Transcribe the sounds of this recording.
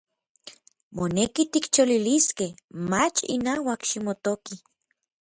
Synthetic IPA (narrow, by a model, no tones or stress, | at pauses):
monekit̪ikt͡ʃoliliskehmat͡ʃḭnawakʃimot̪oki